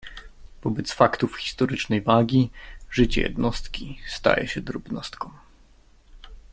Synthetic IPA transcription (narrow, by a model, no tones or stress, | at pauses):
v̥ɔbɛt̪sfakt̪ufxʲi̥st̪ɔɾɘt͡ʂnɛjvaɡʲiʐɘt͡ɕɛ̰jɛ̰d̪nɔst̪kʲist̪a̰jɛ̰ɕɛd̪ɾubnɔst̪kɔ̃w̃